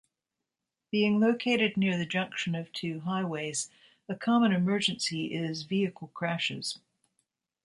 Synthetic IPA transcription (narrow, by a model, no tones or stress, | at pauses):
b̥iɪ̃ŋloʊkʰeɪɾɨdⁿnɪɹðɨd͡ʒʌ̃ŋkʃɨ̃nʌv̥tʰʉɦaɪweɪz̥ | ɨkʰɑmə̃nɨmɜ˞d͡ʒɨ̃nsiʔɪzviɨkʰl̩ˠkʰɹ̥æʃɪ̰z̥